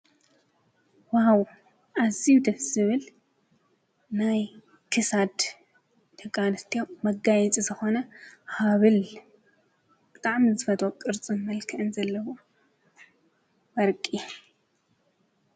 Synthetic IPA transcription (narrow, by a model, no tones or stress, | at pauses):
waw | ʔaziwd̪ɐz̥ɨβɨl | naj | kʰɨsad̪ | t̪ʰɐkʼanɨt̪ʰijomːɐɡajɛt͡sʼizɨxo̞nɐhaβɨl | b̥ɨt̪ʼaʕmzɨfɐt̪ʼokʼɨɾt͡sʼɨnmɐlkʰɨʔɨnzɐlːɐβu | wɐɾkʼi